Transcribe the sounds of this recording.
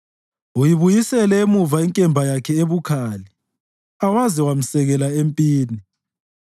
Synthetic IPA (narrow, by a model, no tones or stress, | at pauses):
ujiβujisɛlɛemuvaiŋkʼɛmbʱajakʰɛeβukʰaːli | awaziwam̩sɛɣɛlaempʼiːni